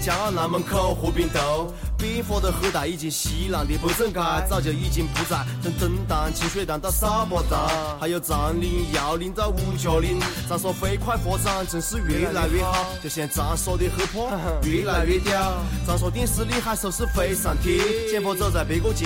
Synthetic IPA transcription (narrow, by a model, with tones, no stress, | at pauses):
t͡ɕjɑ˧˥ŋ˥˩na˧˥mə˧˥ŋkʰo˥˧ʊxɔ˧˥pi˧˥˩ŋt̪o˧˥ʊ | pi˥ŋfwɔ˧˥d̪ə˧˨xɤ˧˥t̪a˨˩i˥˩t͡ɕi˧˩ŋɕi˧˥la˨˩ŋt̪i˧˥˩pu˧˥t͡sə˥˩ŋka˥˧˥t͡sɑ˥˧ʊt͡ɕjɤ˧˩i˥˩t͡ɕi˧˥˩ŋpu˧˥t͡sa˧˩ɪt̪ə˥˧ŋt̪ə˧˥ŋt̪ɑ˧˥ŋt͡ɕʰi˧˥ŋɕwe˥˩ɪt̪ɑ˨˩ŋt̪ɑ˥˧˩sa˥pɔ˧˥t̪ɑ˧˥ŋ | a˧˥ɪjo˨˩ʊt͡sɑ˧˥ŋli˧˥njɑ˧˥ʊli˧˥nt̪ə˧˩u˧˩t͡ɕjo˨˩ʊli˧˥nt͡sɑ˧˥ŋswɔ˥fe˧˥ɪkʰwa˥˩ɪfwɔ˧˥t͡sɑ˧˥ŋt͡sʰɤ˧˥ŋʂ̩˥˧ɥɛ˧˥la˧˥ɪɥɛ˥˧xɑ˨˩ʊt͡ɕt͡ɕjo˥˧ʊɕjɛ˥˩nt͡sɑ˧˥so˥˧ʊt̪i˥˧˩xɤ˧˥pʰɔ˥ɥɛ˧˥la˧˥ɥɛ˧t̪jɑ˥˧˩ʊt͡sɑ˧˥ŋʂ̬wɔ˥t̪̬i˥˧ŋsɹ̩˧˥li˥˧xa˥˧ɪso˧˩ʂɹ̩˥˩fe˧˥ɪsa˨˩nt̪ʰi˧˥nt͡ɕjɛ˥˧npʰɔ˧ʊt͡so˥˧t͡sa˥˩pe˧˥ɪko˥˧ʊt͡ɕi˧